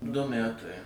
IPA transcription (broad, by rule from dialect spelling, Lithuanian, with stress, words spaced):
dʊ ˈmʲætɐɪ